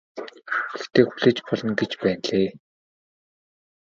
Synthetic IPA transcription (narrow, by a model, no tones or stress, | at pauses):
xeɘ̆xt̪ʰeːxuɮĕːt͡ɕpɔɮɞ̆nɡet͡ɕpæːnɮeː